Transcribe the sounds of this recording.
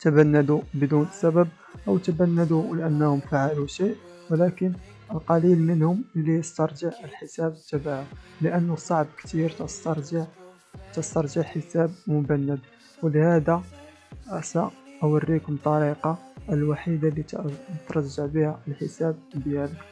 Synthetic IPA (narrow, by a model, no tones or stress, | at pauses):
t̪əbænːæd̪ubəd̪unəsæbəb̚ | ʔəwt̪əbænːæd̪uləʔənːhʊmfaʕaluʃiʔ | wəlækən | əlqɑlilmənhʊməlːijəst̪ɑɾˤʒəʕəlħəsæbət̪ːæbaʕʊləʔənːʊsˤɑʕb̚kt̪iɾt̪st̪ɑɾˤʒʕ | t̪əst̪ɑɾˤʒəʕħəsæb̚mʊbænːəd̪̚ | wələhæd̪a | sæʔhʊwərːikʊmt̪ˤːɑɾiqɑʔəlwaħid̪alːit̪ɾˤɑʒːəʕbihæʔəlħəsæb̚bjælək